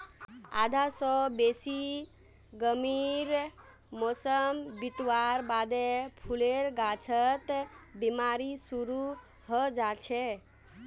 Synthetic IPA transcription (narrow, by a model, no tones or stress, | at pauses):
a̰d̪ʱasɔbesi | ɡəmiɾ | mosəmbit̪waɾbad̪epʰuleɾɡat͡ʃʰət̪bimaɾisuɾu | ɦəd͡ʒat͡ʃʰe